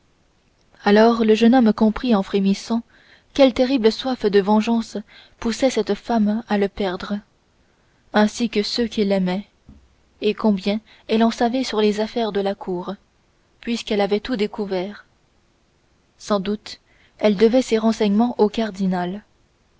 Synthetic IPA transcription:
alɔʁləʒənɔmkɔ̃pχiɑ̃fχemisɑ̃ | kʲɛlt̪eʁibləswafd̪əvɑ̃ʒɑ̃s | pusɛsɛt̪famaləpɛʁd̪ʁə | ɛ̃sikəsøkʲilɛmɛ | ekɔ̃bjɛ̃ | ɛlɑ̃savɛsyʁlezafɛʁd̪əlakʰuːʁ | pɥiskɛlavɛt̪ud̪ekuvɛːʁ | sɑ̃d̪ut̪ | ɛld̪əvɛseʁɑ̃sɛɲmɑ̃ʔokaʁd̪inal

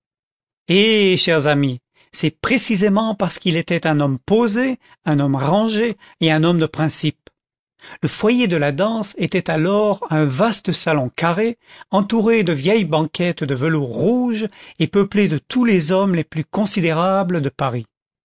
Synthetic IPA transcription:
eʃɛʁzami | sɛpχesizemɑ̃paʁsə̥kilet̪ɛt̪ɛ̃nɔmpoze | ɛ̃nɔmʁɑ̃ʒeːɛ̃nɔmd̪əpχɛ̃sip̚ | ləfwajed̪əlad̪ɑ̃set̪ɛt̪alɔʁɛ̃vast̪əsalɔ̃kaʁeɑ̃t̪uʁed̪əvjɛjbɑ̃kʲɛt̪d̪əvəluʁːuʒepəpled̪ət̪ʰulezɔmleplykɔ̃sid̪eʁabləd̪əpaʁi

